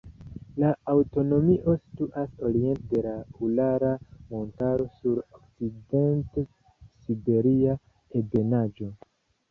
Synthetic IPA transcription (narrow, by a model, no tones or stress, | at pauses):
laːwto̞no̞miʔo̞si̥tuʔaso̞ɾie̞ntede̞laulaɾamo̞ntaɾo̞suɾokside̞nte | sibe̞ɾia | ebe̞nad͡ʒo̞